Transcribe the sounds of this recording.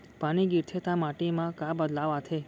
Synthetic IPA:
paniɡiɾt̪ʰet̪amaʈimãkabəd̪laʋat̪ʰe

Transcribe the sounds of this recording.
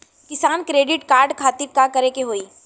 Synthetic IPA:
kɪsaːnkɾeːɖɪʈkaːɾɖkʰaːt̪ɪɾkakɐɾekeɦoːiː

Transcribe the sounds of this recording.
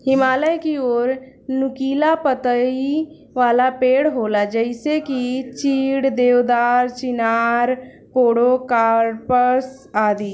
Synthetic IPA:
hɪmaːləjkioːɾ | nʊkiːlapət̪əi | ʋaːlapeːɽɦoːlad͡ʒəɪsekit͡ʃiːɽd̪eːʋd̪aːɾt͡ʃɪnaːɾ | koːɽokaːɾpəs | aːd̪iː

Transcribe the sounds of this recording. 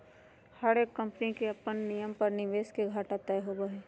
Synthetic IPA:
hɐɾeːkːɐ̃mpnikeɐpənːijəmpɐɾnɪʋeːskeɡʱaːʈat̪ɐeɦoːbəɦeː

